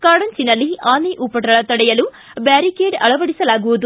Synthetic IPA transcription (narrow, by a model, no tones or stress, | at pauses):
kaːɽɐnt͡ʃinːɐlːiaːniʔupːɐʈɐɭɐt̪ɐɽɐjɐlu | baːɾikeːɖɐ̰ɭɐʋɐɽisɐlaːɡuʋɐd̪u